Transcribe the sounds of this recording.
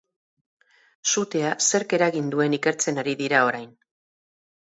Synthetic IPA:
sut̪e̞ase̞ɾke̞ɾaɣind̪ue̞nike̞ɾt͡se̞naɾiðiɾao̞ɾajn

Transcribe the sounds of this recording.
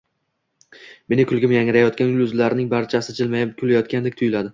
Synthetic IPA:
me̞nɪkʰʊlˠɡʲɪmjaŋɪɾajɒt̪̚kʲanʊlʊzlaɾnɪŋbaɾt͡ʃʰasɪd͡ʒɪlmajkʰʲʊlajɒt̪̚kʲand̪ekʲt̪ʰʊjɪlad̪ɪ

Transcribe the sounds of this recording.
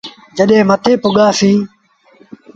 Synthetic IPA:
d͡ʒəɗɦẽːmət̪eːpʊɠaːsĩː

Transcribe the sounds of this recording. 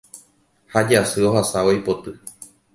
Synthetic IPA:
had͡ʒasɨo̞ɦasaojpo̞t̪ɨ

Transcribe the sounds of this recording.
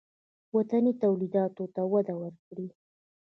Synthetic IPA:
wat̪anit̪awlid̪ɑt̪ot̪awad̪awəɾkɽi

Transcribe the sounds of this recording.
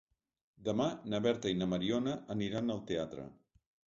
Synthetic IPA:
d̪əmanəβɛɾt̪əinəməɾiɔnəʔəniɾanəlˠt̪eat̪ɾə̰

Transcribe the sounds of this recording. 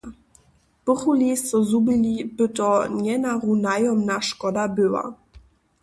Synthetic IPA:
pəχulist͡sɔzubilib̥ɪtɔnjɛnaʁunajɔmnaʃkɔdabøwa̰

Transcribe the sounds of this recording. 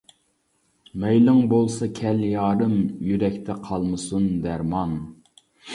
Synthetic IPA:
mɛjlɪŋbolˠsɑkʲʰɛljɑːɾɨmjyɾɛkʲt̪ʰɛqʰɑlˠmɨsund̪æɾmɑn

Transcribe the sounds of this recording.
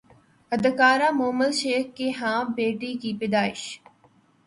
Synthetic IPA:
əd̪kaːɾaːmoːməlʃeːkkeːɦãːbeːʈiːkiːpɪd̪aːɪʃ

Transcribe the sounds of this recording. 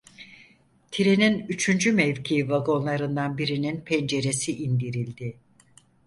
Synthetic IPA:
t̪ʰiɾeninyt͡ʃʰynd͡ʒymɛvcʰivaɡo̞nlˠaɾɯnd̪anbiɾininpʰɛnd͡ʒe̞ɾe̞siʔind̪iɾilʲd̪ɪ

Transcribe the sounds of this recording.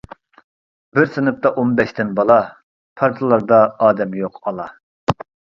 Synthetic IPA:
bɪɾsɪnɨp̚t̪ɑʔonbɛʃt̪ʰɪnbɑlˠɑ | pʰɑɾt̪ʰɨlˠɑɾd̪ɑɑːd̪ɛmjoqɑlˠɑ

